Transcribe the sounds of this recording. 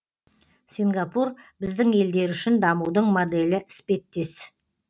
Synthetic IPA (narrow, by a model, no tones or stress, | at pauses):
sʲiŋɡɑpurbɪzd̪ɪŋe̞ld̪e̞ɾʏʃɪnd̪ɑmuwd̪əɴmod̪e̞lɪʔɪ̥spe̞t̪ːe̞s